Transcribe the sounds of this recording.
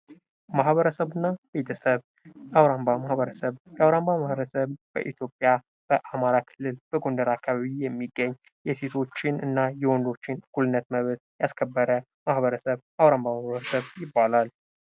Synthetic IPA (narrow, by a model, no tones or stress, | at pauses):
maɦhβəɾəsəβɨnːabet̪ʰəsəβ | awɾambamahβəɾəsəβjawɾambamahβəɾəsəβb̥ə̰ʔit̪ʰjo̞pʼja | b̥əʔamaɾakʰɨlːɨlb̥əɡo̞nd̪əɾakʰːaβaβijɛmːiɡːəɲː | jɛse̞t̪ʰo̞t͡ʃːɪnɨnːajɛwɔnd̪o̞t͡ʃːɪnkʰulɨnːət̪məβt̪jaskʰəbːəɾə | mahβəɾəsəβ | awɾambamahβəɾəsəβjɪbːalal